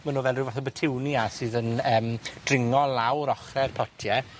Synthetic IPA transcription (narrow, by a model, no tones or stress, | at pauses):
manuːvɛlrɪwvaθɔbətʰɪwniasɨːðənəːmd̥rɪŋɔlawɾɔχrɛrpʰɔtʰjɛ